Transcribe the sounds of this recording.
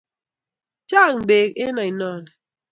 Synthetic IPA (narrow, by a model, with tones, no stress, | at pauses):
t͡ʃa˦˨ŋ̩˨be˨ke˦na˨i˨nɔ˦˨n˨